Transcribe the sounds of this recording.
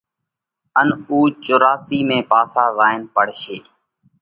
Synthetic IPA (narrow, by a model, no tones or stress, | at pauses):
ənuːt͡ʃʊːɾaːsiːmẽːpaːsaːzaːɪnpəɽ̤ʃeː